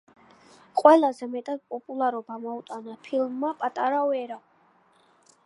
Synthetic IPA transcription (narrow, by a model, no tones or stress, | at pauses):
qʼwɛlazɛmɛt̪ʼad̪̥̚pʼɔpʼulˠaɾɔbamɔut̪ʼanapʰilˠmːapʼat̪ʼaɾaɛɾa